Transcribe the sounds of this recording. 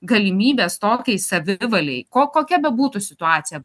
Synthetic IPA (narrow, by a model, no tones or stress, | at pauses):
ɡɐlʲɪmʲiːbʲeːst̪oːkʲɛɪsɐʋʲɪʋɐlʲɛɪkoːkoːkʲɛbʲɛbuːt̪ʊsʲɪt̪ʊɑːt̪sʲɪjɛ